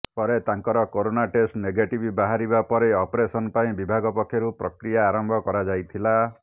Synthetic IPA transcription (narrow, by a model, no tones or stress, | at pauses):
pɔɾet̪aŋkɔɾɔkoɾonaʈesʈneɡeʈibʱibaɦaɾibapɔɾeɔpɾesɔnpaĩbibʱaɡɔpɔkʰːjɔɾupɾɔkɾijaːɾɔmbʱɔkɔɾad͡ʒajt̪ʰila